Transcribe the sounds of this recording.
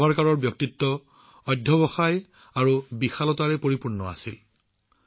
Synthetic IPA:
baɹkaɹɔɹbjɔk̚t̪itːɔ | ɔdʱːjɔbɔxaj | aɹubixalɔtaɹɛpoɹipuɹnɔa̰sil

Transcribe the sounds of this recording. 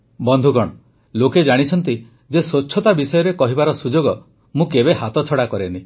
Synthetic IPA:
bɔnd̪ʱuɡɔɽ̃ɔ | loked͡ʒaɽ̃it͡ʃʰɔnt̪̬i | d͡ʒesoːt͡ʃʰɔt̪abisɔjɔɾekɔɦibaɾɔsud͡ʒoɡɔ | mũkebeɦat̪ɔt͡ʃʰɔɽakɔɾeni

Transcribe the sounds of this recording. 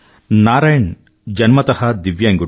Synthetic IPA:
naːɾaːjɐɳ | d͡ʒɐnmɐt̪ɐhɐd̪iʋjajŋɡu

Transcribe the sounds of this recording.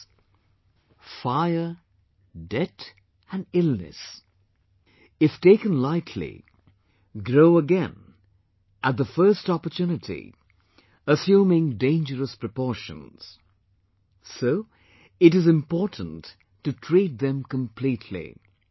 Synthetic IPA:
faɪə˞ | dɛt | ɨ̃nɪlˠnɨ̰s | ɨfteɪkə̃nlaɪtʰlḭ | ɡɹoʊəɡɛ̃n | ʔət̪̚ðəfɜ˞stɑpə˞tʰʉnɨɾḭ | əsjũmɪ̃ŋdẽɪ̃nd͡ʒəɹəspɹ̥ɨpɔɹʃə̰̃nz̥ | soʊ | ɨɾɨzɨ̃mpɔɹʔn̩t | tːɨtʰɹ̥it̪̚ðɨ̃mkə̃mpʰl̥itʰlḭ

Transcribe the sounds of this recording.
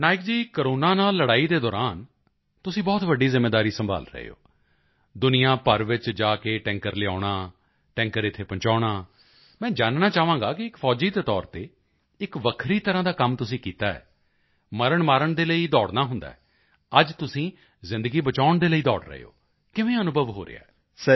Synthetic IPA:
naːɪk̚d͡ʒiːkəɾoːnaːnaːlːəɽaːiːd̪eːd̪ɔːɾaːn | t̪ʊsĩːbɔːt̪ʋəɖːiːzɪmːeːd̪aːɾiːsəmba̰ːlɾə̰ɦḛo̰ː | d̪ʊnijãːpəɾʋɪt͡ʃd͡ʒaːkeːʈɛ̃ːŋkəɾlɪa̰ːɽaː | ʈɛ̃ːŋkəɾɪt̪ʰːeːpə̃ɲt͡ʃaːɽaː | mɛ̃ːd͡ʒaːnnaːt͡ʃaːʋãːɡaːkɪɪkfʰɔːd͡ʒiːd̪eːt̪ɔːɾt̪eː | ɪkʋəkʰɾiːt̪əɾãːd̪aːkəmt̪ʊsĩːkiːt̪aːɛ̰ː | məɾəɳmaːɾəɳd̪eːləiːd̪ɔːɽnaːɦʊ̃nd̪a̰ːɛ | əd͡ʒt̪ʊsĩː | zɪ̃nd̪əɡiːbət͡ʃaːʊɳd̪eːləiːd̪ɔːɽɾə̰ḛːo̰ː | kɪʋẽːənʊbʱəʋɦo̰ːɾḛa̰ː | s

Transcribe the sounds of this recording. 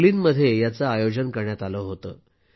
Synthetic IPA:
liːnməd̪ʱːjejat͡saajod͡ʑənkəɾɳjat̪aləɦot̪ə̰ː

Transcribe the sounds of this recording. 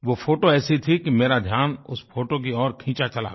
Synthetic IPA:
ʋopʰoːʈoɛːsit̪ʰikimeːɾad̪ʱjaːnʊsfoːʈok̬iɔːɾkʰĩːt͡ʃat͡ʃɐla̰ːɡ

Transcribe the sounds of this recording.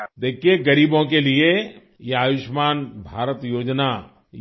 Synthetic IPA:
d̪eːkʰijeɡɐɾiːbõkelie | jeaːʋɪʃmaːnbʱaːɾət̪joːd͡ʒna

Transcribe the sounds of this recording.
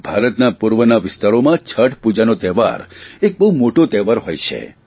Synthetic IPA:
bʱaɾət̪napuɾʋənaʋɪst̪aɾomãt͡ʃʰəʈpud͡ʒanot̪ɛʋa̰ɾek̚bəɦumoʈot̪ɛʋaɾɦojt͡ʃʰḛ

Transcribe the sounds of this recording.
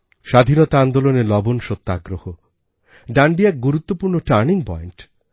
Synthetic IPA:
ʃad̪ʱinɔt̪aand̪olonelɔbonʃot̪ːaɡɾoho | ɖaɳɖiɛk̚ɡuɾut̪ːopuɾnoʈaɾniŋpɔjɳʈ

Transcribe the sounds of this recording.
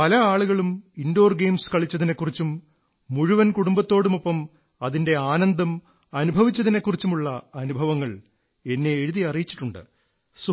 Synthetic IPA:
pɐlɐaːɭuɣɐɭumindo̞ːrɡe̞jmskɐɭit͡ɕːɐðinekːurit͡ɕːumː | uɻuʋɐnkuɽumbɐt̪ːo̞ːɽumopːɐm | ɐðinde̞aːnɐnd̪ɐm | ɐnubʱɐʋit͡ɕːɐðine̞kːurit͡ɕːumuɭːɐɐnubʱɐʋɐŋːɐɭ | e̞nːe̞ːɻuðiɐrijit͡ɕːi̥ʈːuɳɖɨ̰ | su

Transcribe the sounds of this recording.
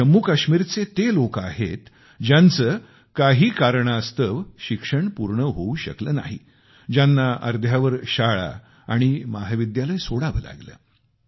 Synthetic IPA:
əmːuːkaɕmiːɾt͡set̪elokaɦet̪ | d͡ʑjant͡səː | kaɦiːkaɾɳaəst̪əʋɕikʂəɳpuɾɳəɦouɕə̰kləːna̰ɦḭ | d͡ʑjanːaʔə̰ɾd̪ʱjaʋəɾɕaɭa̰ | aɽ̃imaɦʋid̪jaləjsoɽaʋəla̰ɡlə̰ː

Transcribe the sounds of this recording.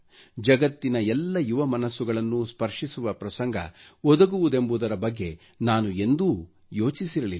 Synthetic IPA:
d͡ʒɐɡɐt̪ːinɐɛlːɐjuʋɐmɐnɐsːuɡɐɭɐnːuspɐɾʂisuʋɐpɾɐsɐŋɡʱɐ̰ɔd̪ɐɡuʋud̪e̞mbud̪ɐɾɐbɐɡːe̞ | naːnue̞nd̪u | jo̞ːt͡ʃisiɾɐlilː

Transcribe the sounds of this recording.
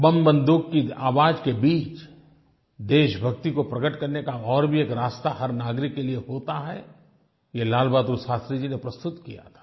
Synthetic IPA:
bɐ̃mbə̃nd̪ukːiaːʋaːd͡ʒkebiːt͡ʃ | d̪eːʃbʱɐk̚t̪ikopɾɐɡəʈkɐɾnekaɔːɾbʱieːkɾaːst̪aɦɐɾnaːɡɾɪkːelieɦoːt̪aɦɛ | jelaːlbaːd̪ɾusaːst̪ɾid͡ʒinepɾɐst̪ʊt̪kija̰t̪ʰḁː

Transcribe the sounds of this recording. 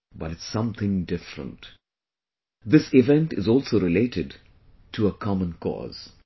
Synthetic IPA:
bʌɾɨtsʌ̃mt̪ɪ̃ŋdɪfɾə̰̃nt | d̪ɪsɪʋɛ̃nʈɨzɔlˠsoɾɪleɪʈɪɖ | ʈʰuəkʰɑmə̃nkʰɔ̰ːz̥

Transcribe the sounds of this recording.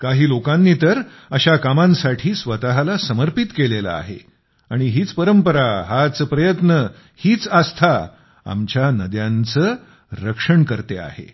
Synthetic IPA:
kaɦiːlokãnːiːt̪əɾ | əɕakamãnsaʈʰiːsʋət̪aɦalasəməɾpit̪kelela̰ːɦḛ | aɽ̃iɦiːt͡spəɾəmpəɾaɦat͡spɾəjət̪nə | hiːt͡sast̪ʰa | a̰mt͡ɕjanəd̪jãnt͡səː | ɾəkʂəɳkəɾt̪ea̰hḛ

